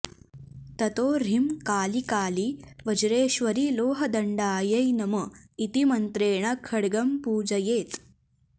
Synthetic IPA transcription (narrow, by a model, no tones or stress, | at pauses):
t̪ɐt̪oːɾimkaːlikaːliʋɐd͡ʒɾeːʃʋɐɾiloːɦɐd̪ɐɳɖaːjɐjnɐmɐit̪imɐnt̪ɾeːɳ̃ɐkʰɐɽɡɐmpuːd͡ʒɐjeːt̪